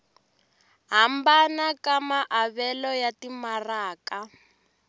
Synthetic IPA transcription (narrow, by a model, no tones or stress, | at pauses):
ɦambanakamaʔaβɛlɔjatimaraːka